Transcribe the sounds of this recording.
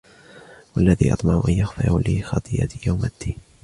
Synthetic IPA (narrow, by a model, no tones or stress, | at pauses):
walːaðḭːʔɑ̰t̪ˤmɑʕʔanjaxfɪʕuːlɪxɑt̪ˤɨja̰t̪jawmʔad̪ːiːn